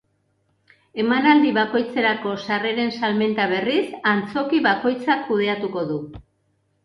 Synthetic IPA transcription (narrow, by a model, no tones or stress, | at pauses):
e̞manald̪iβako̞jt͡se̞ɾako̞sare̞ɾe̞nsalme̞nt̪aβ̞e̞risant͡so̞kiβako̞jt͡sakːuð̞e̞at̪uko̞ðu